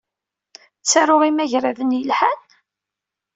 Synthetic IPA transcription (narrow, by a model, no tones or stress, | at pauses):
t͡sːaɾʊʁimæʝɾæðənjəlħan